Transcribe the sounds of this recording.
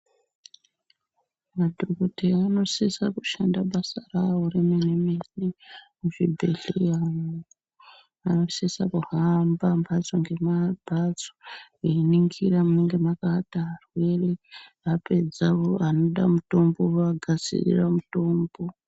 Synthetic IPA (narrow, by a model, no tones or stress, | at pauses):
madʱokoteano̞sesakuʃandaɓasarawoɾemenemerimuʐibʱe̞ɮiano | ano̞sesa̰kuɦambambʱat͡soŋɡe̞mab̥ʱad͡zo̥eniŋɡiramuneŋɡe̞makatarwe̞ri | ape̞d͡zaoano̞ɗamuto̞mbo̞aɡʱasḭrḭramuto̞ːmbo̞